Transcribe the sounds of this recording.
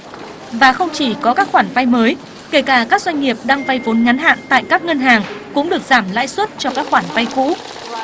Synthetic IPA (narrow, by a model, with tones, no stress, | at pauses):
vaː˨˩xə˧wŋ͡mt͡ɕi˧˩kɔ˨˦kaː˦˥k̚xwaː˧˩nva˧jməː˨˦j | ke˧˩jkaː˧˩kaː˦˥k̚zwa˧ŋ̟ŋi˨˩əp̚ɗaː˧ŋva˧jvo˨˦nŋa˨˦nɦa̰ː˧˨nt̪a̰ː˧˨jkaː˦˥k̚ŋə˧nɦaː˨˩ŋkʊ̰˧˥ŋ͡mɗɨ˨˩ək̚z̥aː˧˩mla̰ː˧˥jswə˦˥t̚t͡ɕɔ˧kaː˦˥k̚xwaː˧˩nva˧jkṵ˧˥